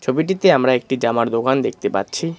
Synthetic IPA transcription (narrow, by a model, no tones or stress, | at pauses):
t͡ɕʰobiʈit̪eamɾaek̚ʈid͡ʑamaɾd̪okand̪ek̚ʰt̪epa̰tːɕʰi